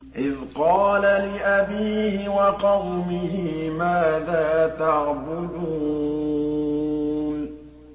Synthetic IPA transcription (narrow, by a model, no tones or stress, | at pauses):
ʔɪðqɑːlalɪʔabiːhɪwɑqɑwmɪɦɪmaːðaːt̪ɑʕbʊluː | n